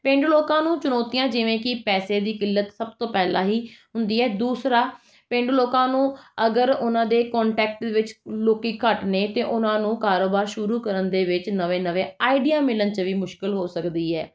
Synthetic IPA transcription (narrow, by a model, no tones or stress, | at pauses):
pẽːɳɖloːkãːnũːt͡ʃʊnɔːt̪ijãːd͡ʒɪʋẽːkɪpɛːseːd̪iːkɪlːət̪səb̚t̪õːpɛːlã̰ːɦiːɦʊnd̪iːɛːd̪uːsɾaː | pẽːɳɖloːkãːnũːəɡəɾʊnãːd̪eːkɔ̃ːɳʈɛːk̚ʈd̪eʋɪt͡ʃloːkiːkəʈneːt̪eːʔʊnãːnũːkaːɾoːbaːɾʃʊɾuːkəɾənd̪eːʋɪt͡ʃnəʋẽːnəʋẽːaːiɖijaːmɪlənt͡ʃəʋiːmʊʃkɪlɦoːsəkd̪iːɛː